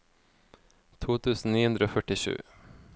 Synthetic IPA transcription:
t̪ʰuːt̪ʰʉːsn̩niːhɵnd̪ɾəoːfœʈɪʂʉ̟̰ː

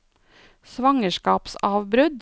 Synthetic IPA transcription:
sʋɑŋəʃkɑːpsɑːʋbɾʉd̪

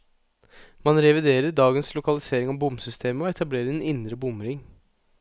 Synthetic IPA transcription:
mɑnɾɛʋɪd̪eːɾəɖɑːɡənslʊkɑlɪseːɾɪŋɑbʊmsʏst̪ʰeːməɔɛt̪ʰɑbleːɾəɾɛnɪnd̪ɾəbʊmɾɪŋ

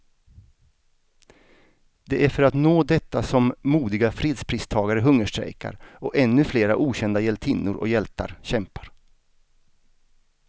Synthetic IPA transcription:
d̪̥ɛʔæɾfœɾat̪noːd̪ɛt̪ːasɔmːuːd̪ɪɡafɾeːd̪spʰɾiːst̪ʰɑːɡaɾəɦɵŋːəʂʈɾɛ̰jka̰ɾɔʔɛnːɵfleːɾa̰ʔuːɕɛnd̪ajɛlt̪ʰɪnːʊ̰ɾʔɔ̰jɛlt̪a̰ɾɕɛmpḁɾ

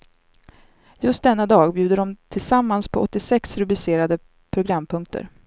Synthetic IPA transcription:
jɵst̪̚d̪ɛnːad̪ɑːɡbjʉ̟ːd̪əɖɔmt̪ʰɪlsamːanspʰɔʔɔt̪ːɪsɛksɾɵblɪseːɾad̪ə | pʰɾʊɡɾamːpʰɵŋk̚t̪ʰə̰ɾ

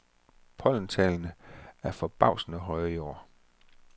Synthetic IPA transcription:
pʰɒ̽l̰n̩t͡sʰɛ̰ːlnəæɐfɒ̽b̥ɑ̈ʊ̰sn̩əɦɒɪəjo̝̰ː

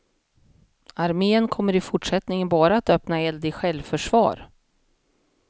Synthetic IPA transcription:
aɾmeːənkʰɔmːəɾɪfʊʈʂɛt̪nɪŋənbɑːɾaat̪œpnaɛld̪ɪɧɛlvfœʂvɑ̰ːɾ

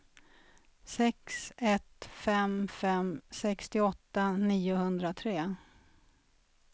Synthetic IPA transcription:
sɛksɛt̪fɛmfɛmsɛkst̪ɪɔt̪ːaniːʊhɵnd̪ɾat̪ʰɾeː

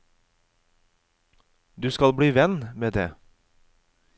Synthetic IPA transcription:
d̪ʉːskɑlbɽiːʋɛnmeːd̪eː

